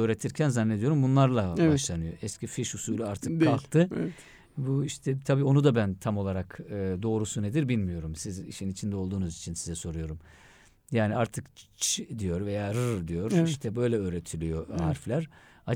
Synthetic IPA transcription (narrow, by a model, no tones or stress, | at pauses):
øːɾet̪ʰiɾcʰænzanːed̪ijo̞ɾumbunlˠaɾlˠabaʃlˠanɯjo̞ʔɛscʲʰifiʃhusuːlʲiaɾt̪ʰɯkʰːalˠkt̪ʰɯɛ | buiʃt̪ʰɛt̪ʰabiːo̞nud̪abænt̪ʰamo̞lˠaɾakɯd̪o̞ːɾusune̞d̪iɾbilʲmijo̞ɾumsizḭʃinit͡ʃʰind̪ɛo̞lˠd̪uːnuzit͡ʃʰinsizɛso̞ɾujo̞ɾum | jaːniaɾt̪ʰɯkt͡ʃt͡ʃʰd̪ijo̞ɾve̞jaːɾɯɾd̪ijo̞ɾiʃt̪ʰɛbø̞jlʲɛøːɾet̪ʰilʲijo̞ɦa̰ɾflʲæɾ | a